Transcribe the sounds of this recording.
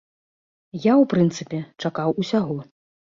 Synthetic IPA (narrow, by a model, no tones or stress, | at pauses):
jawpɾɨnt̪sɨpʲɛt͡ʂakawusʲaɣɔ